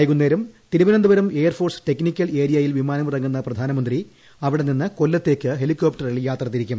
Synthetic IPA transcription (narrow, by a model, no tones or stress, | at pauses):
jɣunːeːɾumt̪iɾuʋɐnɐnd̪uʋɐɾumeːjɐrfoːrste̞knikʲːɐleːɾijɐjilʋimaːnɐmurɐŋːunːɐprɐd̪ʱaːnɐmɐnd̪ri | ɐʋiɽe̞ninːɨkolːɐt̪ːe̞ːkʲːɨɦe̞likːo̞ːpʈɐriɭjaːt̪rɐt̪iɾikʲːum